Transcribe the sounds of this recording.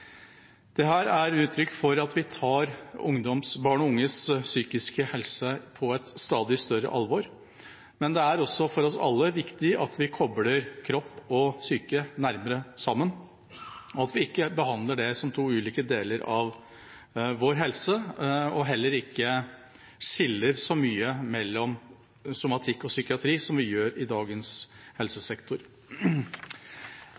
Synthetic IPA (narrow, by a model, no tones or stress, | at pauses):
d̪̥ɛɦæːɾæɾʉːt̪ʰɾʏkːfɔɾɑt̪ʋɪt̪ʰɑːɾʊŋd̪ɔmsbɑːɳɔʊŋːəssyːkɪskəhɛlsəpʰɔɛt̪st̪ɑːd̪ɪst̪œɾə̰ʔɑlʋɔɾ | mɛnd̪ɛæɾɔsːɔfɔɾɔsɑ̰lːəʋɪkt̪ɪʔɑt̪ʋɪkʰɔbləɾkʰɾɔpːɔsyːkənæɾməɾəsɑmːən | ɔɑt̪ʋɪɪkːəbəɦɑnd̪ləɖɛsɔmt̪ʰuːʉːliːkəd̪eːləɾɑʋ | ʋɔɾɦɛlsəɔɦɛlːəɾɪkːə | ʂɪlːəɾsɔmyːəmɛlːɔm | sʊmɑt̪ʰɪkːɔsʏkɪɑt̪ʰɾiːsɔmʋɪjøːɾɪd̪ɑːɡənshɛlsəsɛkt̪ʊɾ